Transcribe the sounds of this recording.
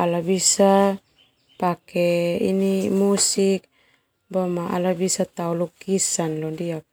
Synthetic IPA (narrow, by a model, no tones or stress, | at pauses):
alabisa | pakeḭnimusik̚ | bomaa̰labisat̪aulukisanlodia